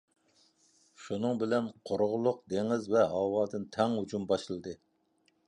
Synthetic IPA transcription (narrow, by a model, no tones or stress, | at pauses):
ʃunɨŋbɪlɛnqʰoɾʁʊlˠʊq̚d̪eŋɪzvɛɦɑwɑːd̪ɨnt̪ʰɛŋhut͡ʃʰumbɑʃɨlˠɨd̪ɨ